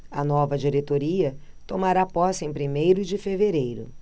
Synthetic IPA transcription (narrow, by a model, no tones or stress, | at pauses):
ɐnɔvɐd͡ʒiɾet̪oɾiɐ | t̪omaɾapɔsẽj̃pɾimejɾʊd͡ʒɪfeveɾejɾʊ̰